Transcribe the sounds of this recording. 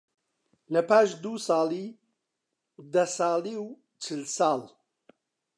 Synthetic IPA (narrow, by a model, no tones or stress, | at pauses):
lɐpaːʃd̪uːsɑːliː | d̪ɐsɑːliw | t͡ʃʰɨlsɑːl